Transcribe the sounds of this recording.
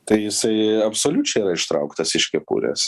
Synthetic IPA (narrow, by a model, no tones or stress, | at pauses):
t̪ɐɪjɪsɐɪɐpsoːlʲut͡ʃʲɛɪiɾɐɪʃt̪ɾɐʊkt̪ɐsɪʃkʲɛpṵːɾʲḛːs